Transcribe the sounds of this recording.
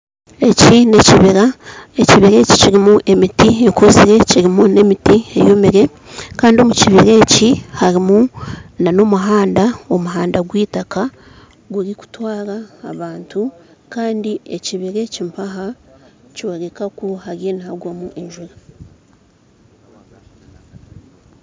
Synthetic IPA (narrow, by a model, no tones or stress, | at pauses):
e̞cine̞ciβiɾaeciβiɾe̞ci̥ciɾimuʔe̞mitiekuziɾe̞ciɾimune̞mitiḛjomiɾe̞ | kaːndio̞muciβiɾe̞ːcihaɾimunano̞muɦaːndao̞muɦaːndaɡwiːtaka | ɡuɾiku̥twaːɾaːβaːntu | kaːndieciβiɾe̞cimpaɦacioɾe̞kakuhaɾjenihaɡwamuʔeɲʒuɾa